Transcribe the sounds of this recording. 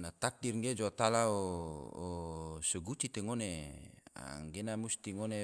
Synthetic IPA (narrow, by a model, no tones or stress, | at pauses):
nat̪ak̚dirŋɡed͡ʒoat̪alaoː | səɡut͡ʃit̪eŋonea̰ŋɡenamust̪iŋone